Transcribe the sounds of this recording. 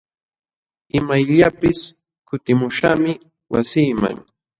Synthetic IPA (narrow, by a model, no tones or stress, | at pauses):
ɪmajʎapɪs | kʊt̪ɪmʊʃa̰mɪ | wasiːma̰ŋ